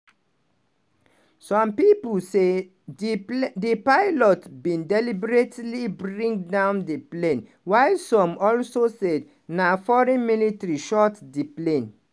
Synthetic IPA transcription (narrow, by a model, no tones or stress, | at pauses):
sɔ̃mpipulse | dipaɪlɔtbĩndɛlibɹetlibɹĩŋɡdãʊ̃ndeplẽn | waɪsɔ̃mɔlsosed | nafɔɹɛ̃nmilitɹiʃɔtdiplẽn